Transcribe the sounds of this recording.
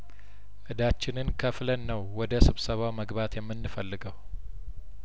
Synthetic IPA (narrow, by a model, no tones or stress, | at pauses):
ʔɨd̪at͡ʃːɪnɨnkʰəflənːəwːɔd̪əsɨβsəβawməɡbat̪jɛmːɨnːɨfəlːɨɡəw